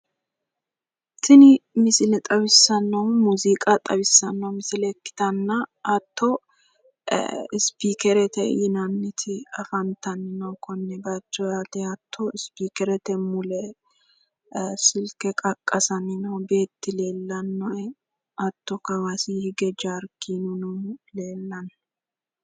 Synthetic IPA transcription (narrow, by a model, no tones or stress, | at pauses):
t̪ɪnɪmɪsɪlɛt̪ʼɐβɪsːɐnːɐwmuzikʼɐt̪ʼɐbɪsːɐnːɐwmɪsɪlɛkːɪ̥t̪ɐnːɐʔːt̪ːɔ | ɪspiːkɛɾɛt̪ɛjɪnɐnːɪt̪ʰɪɐfɐnt̪ɐnɪnɐwkɔnːɛbɐt͡ʃːɔjaːt̪ɛɐt̪ʰːɔɪspiːkɛɾɛt̪ɛmʊlɛ | sɪlkɛkʼɐkʼːɐsɐnɪnɐwbe̞ːt̪ːɪle̞ːlːɐnːɔɛ | ɐt̪ːɔkɐwasihɪɡɛd͡ʒaːɾkːinunuleːlːɐn